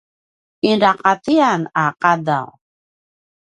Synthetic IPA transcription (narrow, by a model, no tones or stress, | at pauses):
inɾaqat̪ianaqada̰w